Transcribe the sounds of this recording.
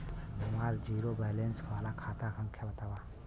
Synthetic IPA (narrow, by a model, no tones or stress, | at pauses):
bimaːɾd͡ʒiːɾobɛːlenskʰʋaːlakʰaːt̪akʰɐ̃mkʰjabɐt̪aːʋaː